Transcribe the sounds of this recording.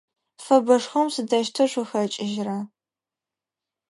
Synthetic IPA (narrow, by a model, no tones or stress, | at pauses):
fɐbɐʂxɐmsɨdɐʃtʰɐʂʷʊxɐt͡ʃʼɪʒra